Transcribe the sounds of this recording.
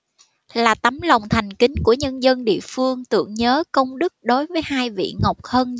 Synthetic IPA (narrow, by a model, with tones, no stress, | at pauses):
laː˨˩t̪a˨˦mla˨˩wŋ͡mt̪ʰa˨˩jŋ̟kï˨˦ŋ̟ku˧˩əɲə˧nzə˧nɗḭ˧˨əfɨ˧əŋt̪ɨ̰˧˩˨əŋɲəː˨˦kə˧wŋ͡mɗɨ˦˥k̚ɗo˨˦jvəː˨˦jhaː˧jvḭ˧˨ŋə˨˩wk͡p̚həː˧n